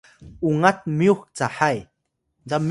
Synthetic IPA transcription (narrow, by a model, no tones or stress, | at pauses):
uŋat̪̚miuxt͡saħaj | nd͡zam